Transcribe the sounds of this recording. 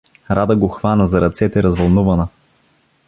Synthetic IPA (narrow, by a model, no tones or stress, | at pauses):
ɾad̪əɡoxvanəzɐɾɐt̪sɛt̪ɛɾɐzvɐlˠnuvɐnə